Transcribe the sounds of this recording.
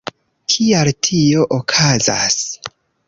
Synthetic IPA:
kʰialtʰio̞ʔokʰaza̰s

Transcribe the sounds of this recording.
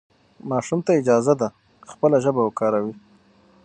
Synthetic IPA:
mɑʂumt̪aɪd͡ʒɑzad̪a | xpəlaʒəbawəkɑɾawi

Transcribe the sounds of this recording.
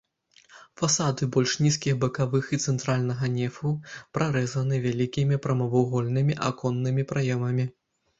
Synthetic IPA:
fasad̪ɨbɔlʲʂnʲiskʲixbɐkavɨxit̪sɛnt̪ɾalʲnɐɣɐnʲɛfupɾʔaɾɛzɐnɨvʲalʲikʲimʲipɾɐmɐvɐwɣɔlʲnɨmʲiʔa̰kɔnːɨmʲipɾajɛmɐmʲi

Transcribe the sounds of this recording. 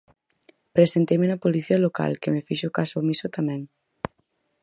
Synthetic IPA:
pɾesent̪ejmenɐpoliθiɐloka̰lkemefiʃokasomisot̪amɛ̃ŋ

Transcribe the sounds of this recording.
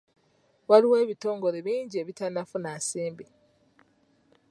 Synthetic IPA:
waliwe̞ːβito̞ːŋɡo̞ɾeβiːɲɟie̞βitanafunaːsiːmbi

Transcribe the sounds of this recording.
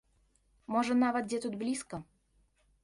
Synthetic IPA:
moʐənɑvət̪̚dʲet̪ut̪̚blʲiskə

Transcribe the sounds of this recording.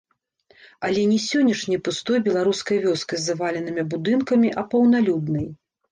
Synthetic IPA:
ɐlʲɛnʲɛsʲɔnʲːɐʂnʲɐjpust̪ɔjbʲɛlˠaɾuskɐjvʲɔskɐzːɐvalʲɛnɨmʲibud̪ɨnkɐmʲiʔɐpɐwnalʲud̪nɐj

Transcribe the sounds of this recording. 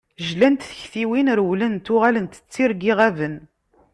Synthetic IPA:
ʒlænt̪θəçθiwinɾwlənt̪ʊʁælənt̪ə̥t͡sːiɾɡiʁævən

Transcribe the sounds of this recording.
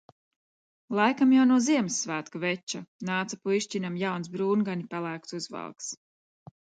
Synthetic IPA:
lˠajkamjawnuɔziɛmsːvæːt̪kavɛt͡ʃanaːt̪sapuiʃcinamjawns̬bɾuːnɡanipalˠæːk̚t̪uzva̰lˠks

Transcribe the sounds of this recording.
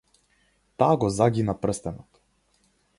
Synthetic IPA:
t̪aːɡɔzaɡʲinapr̩st̪ɛnɔt̪

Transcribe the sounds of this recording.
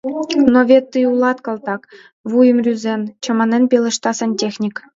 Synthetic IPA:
noʋʲet̪ːɯjulˠɑt̪kɤ̆lˠt̪ɑk | ʋujə̆mrʲyzʲent͡ɕɤ̆mɑnenʲpʲelʲɤ̆ʂt̪ɑsɤ̆nʲtʲexʲnʲik

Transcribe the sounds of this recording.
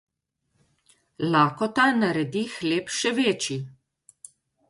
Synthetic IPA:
laːkɔt̪anaɾɛd̪ixleːpʃɛʋeːt͡ʃi

